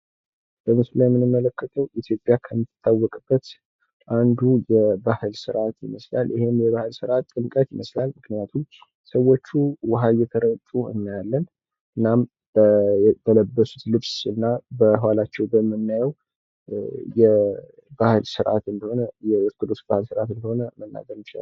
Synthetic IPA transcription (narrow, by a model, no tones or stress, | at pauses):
b̥əmɨsulajɛmːɨnɨmːələkːət̪ʰəwʔit̪ʰjo̞pʼjakʰəmːɨt̪t̪ʰːawːɔkʼɨb̥ːət̪ | ʔand̪ujɛbahɨlsɨɾʔat̪jɪməsla̰lʔɨhemjɛβahɨlsɨɾʔat̪ːʼɨnkʼət̪jɪməslalmɨknijat̪ʰum | səwːo̞t͡ʃːuwaɦajɛt̪ʰəɾət̪ʼuɨ̰nːjalːən | ɨnːam | bb̪ələbːəsut̪lɨβsɨnːabəhwalat͡ʃːɛwbəmːɨnːajɛw | jɛ | bahɨlsɨɾʔa̰t̪ɨnd̪əho̞nəjɛwoskɨd̪o̞sbahɨlsɨɾat̪ɨnd̪əho̞nəmənːa̰ɡəɾmɨʃ